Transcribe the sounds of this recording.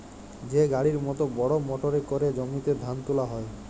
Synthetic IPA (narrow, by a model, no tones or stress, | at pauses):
d͡ʑeɡaɽiɾmɔt̪obɔɽomoʈoɾekoɾed͡ʒomit̪ed̪ʱant̪ulaɦɔe